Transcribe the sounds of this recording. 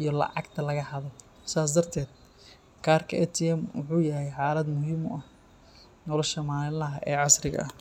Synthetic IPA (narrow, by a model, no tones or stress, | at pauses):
ijɞlɑ̰ʕɑɡt̪ʰɐlɐɣɐhɐðɔ | saːs̬d̪ɐrt̪ʰɛːd̪ | kʰaːrkʰɐɛt̪ʰɪɛmwʊ̰ħuːjɐɦɛjħaːlɐd̪mʊhiːmʊʔɐh | nɔːlɔʃɐmaːlɪlɐɦɐʔɛːʕɑsrɪɣɐ̰ɐh